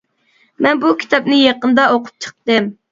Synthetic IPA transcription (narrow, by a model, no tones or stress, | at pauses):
mɛnbukʲʰi̥t̪ʰɑp̚nɨjɑqənd̪ɑoqʰʊp̚t͡ʃʰə̥q̚t̪ɨm